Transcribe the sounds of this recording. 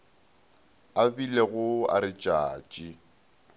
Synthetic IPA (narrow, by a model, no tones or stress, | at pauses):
abileɣʊa̰ɾɪt͡ʃʼaːt͡ʃʼi